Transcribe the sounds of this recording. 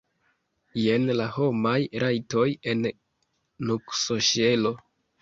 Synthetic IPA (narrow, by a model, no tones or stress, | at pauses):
je̞nlaho̞majɾajto̞je̞nː | uksoʃe̞lo̞